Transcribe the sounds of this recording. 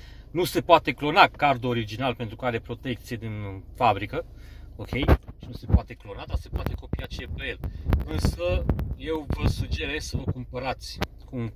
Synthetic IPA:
nuse̞poat̪e̞klo̞nakard̪ooɾid͡ʒinalpent̪ɾukaɾe̞pɾo̞t̪ekt̪sijed̪infabɾikəokʰʲe̞jʃinuse̞poat̪e̞klo̞nad̪ase̞poat̪e̞ko̞pijat͡ʃeepejelɨnsəje̞wvəsud͡ʒe̞ɾe̞ssəvəkumpəɾat̪sʲ | ku

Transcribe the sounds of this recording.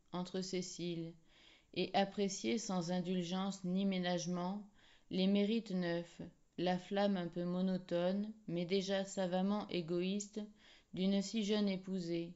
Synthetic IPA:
ɑ̃t̪χəsesil | eʔapχesjesɑ̃zɛ̃d̪ylʒɑ̃snimenaʒmɑ̃ | lemeʁit̪nœf | laflamɛ̃pømɔnɔt̪ɔnmɛd̪eʒasavamɑ̃ʔeɡɔist̪ | d̪ynsiʒənepuze

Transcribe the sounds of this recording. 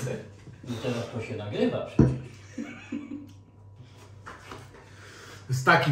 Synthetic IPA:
it̪ɛɾast̪ɔɕɛnaɡɾɘvapʂɛt͡ɕɛʂ | st̪akʲi

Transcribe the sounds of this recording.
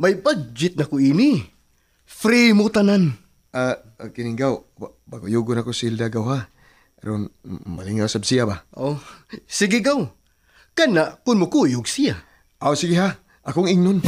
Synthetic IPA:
majbad͡ʒɪt̪̚nɐkʊini | fɾimʊt̪anan | a | kɪnɪŋɡaw | baɡkojuɡʊnakosild̪aɡawha | pɛɾonma̰liŋasabsijabaʔosɪɡɪɡaw | kanaʔkʊnmʊkujʊɡsija | ʔawsɪɡɪɦa | ʔɐkoŋɪŋnon

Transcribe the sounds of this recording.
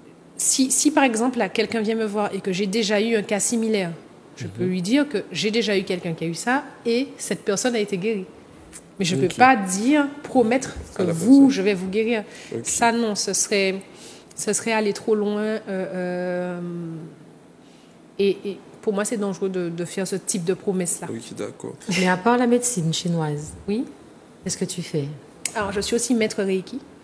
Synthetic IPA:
sisipaʁɛɡzɑ̃plakʲɛlkʲɛ̃vjɛ̃məvwaʁekəʒed̪eʒayɛ̃kasimilɛʁ | ʒ̥əpølɥid̪iʁkəʒed̪eʒaykʲɛlkʲɛ̃kʲiaysaesɛt̪̚pɛʁsɔnaet̪eɡʲeʁi | mɛʒəpøpad̪iʁpχɔmɛt̪χkəvuʒəvɛvuɡeʁiːʁsanɔ̃səsʁɛ | səsʁɛalet̪χolwɛ̃øːm | eʔepuʁmwasɛd̪ɑ̃ʒʁød̪əd̪əfɛʁsət̪ip̚d̪əpχomɛslad̪̰kɔ̰mɛapaʁlamed̪sinʃinwazwi | kʲɛskət̪yfɛ | alɔʁʒəsɥiosimɛt̪χəʁekʲʰi

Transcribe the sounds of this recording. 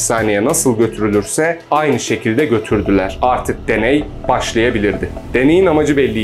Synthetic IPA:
saːnejɛnasɯlˠɟø̞t̪ʰyɾylʲyɾsɛajnɯʃe̞cʰilʲd̪ɛɟø̞t̪ʰyɾd̪ylʲæɾ̥aɾt̪ʰɯk̚d̪e̞nɛj | b̥aʃlˠajabilʲiɾd̪ɪd̪̥e̞ne̞jinamad͡ʒɯbɛlʲːi

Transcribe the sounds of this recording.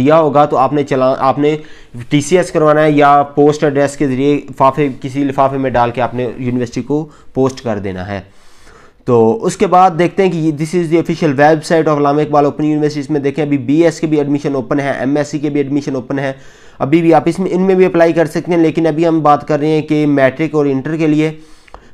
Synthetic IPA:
ijaɦoːɡat̪oaːpnet͡ʃɐlaaːpne | ʈiːsiɛskɐɾʋaːnaɦɛjapoːsʈəɖɾɛskezɐɾiefaːfekɪsifaːfemẽɖaːlkeaːpnejuːnɪʋəɾsɪʈiko | poːsʈkɐɾd̪ḛːna̰ɦɛ̰ː | t̪oːʊskebaːd̪̚ːeːk̚ʰt̪eɦɛ̃kid̪ɪsɪzd̪iəfɪʃəlʋɛːlbsaːɪʈɔːfɐlaːmɪk̚baːloːpə̃njuːnɪʋəɾsɪʈiɪsmẽd̪eːkʰẽɐbʱibiːɛskebʱiəɖmɪʃənoːpənɦɛːʔɛ̰mɛsikebʱiəɖmɪʃənoːpənɦɛː | ɐbʱibʱiaːpɪsmẽɪnmẽbʱiɐplaːikɐɾsɐk̚t̪ẽɦɛ̃leːkɪnɐbʱiɦɐmbaːt̪kɐɾːəɦeɦɛ̃kemɛːʈɾɪkɔːɾɪ̃ɳʈəɾkelie

